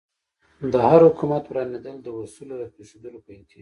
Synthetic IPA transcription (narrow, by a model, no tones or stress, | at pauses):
d̪əhaɾhʊkumat̪wɾɑned̪əld̪əwasulod̪əpeʃed̪əlopəɪnt̪ɪ